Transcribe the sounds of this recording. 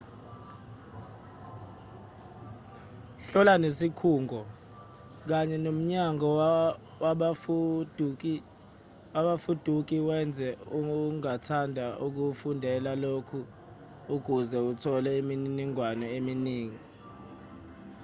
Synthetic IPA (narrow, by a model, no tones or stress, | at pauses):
ɬɔlanesikʰuːŋʱɔ | k̬aɲɛnom̩ɲaŋɔ | waɓd | waɓafud̥ʱuk̬iwɛnd͡zʱɛuŋatʰandʱaʔuk̬ufundʱɛlalokʰuː | k̬uzɛutʰɔlɛiminniŋwanɔeminiːŋi